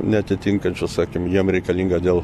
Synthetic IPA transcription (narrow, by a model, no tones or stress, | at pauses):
nʲɛɐt̪ʲɪt̪ʲiŋkɐnʲt͡ʃʲʊsɑːkʲɪmjiɛmɾʲɛɪkɐlʲiːŋɡɐd̪ʲeːlˠ